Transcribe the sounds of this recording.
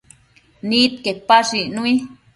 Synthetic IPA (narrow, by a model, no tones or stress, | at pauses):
nit̪kepaʂinui